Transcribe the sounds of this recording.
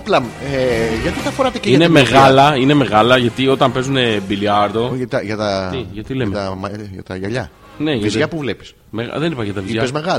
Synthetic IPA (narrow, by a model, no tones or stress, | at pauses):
plɐmeʝɐt̪it̪ɐfo̞ɾɐt̪eceinemeɣɐlɐine̞me̞ɣɐlɐʝɐt̪io̞t̪ɐmpe̞zune̞biliɐɾd̪o̞ɐt̪ɐʝɐt̪ɐiʝɐt̪ilemeɐmɐʝɐ̰t̪ɐʝɐʎɐ | ne̞ʝɐit̪ʝɐpuvlepi̥s | meɣɐ̰ðe̞nipɐçeɐt̪ɐviiɐpezmeɣɐl